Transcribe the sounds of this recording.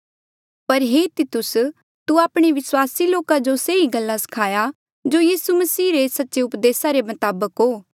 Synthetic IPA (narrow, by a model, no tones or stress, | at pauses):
pɐɾɦet̪ɪt̪ʊs | t̪uaːpɽ̃eʋɪswaːsiloːkad͡ʒoseiɡɐlːasɐ̥kʰaːja | d͡ʒojiːsumɐsiːɾesɐtːʃeʊpd̪eːsaɾemɐt̪aːbəkɦoː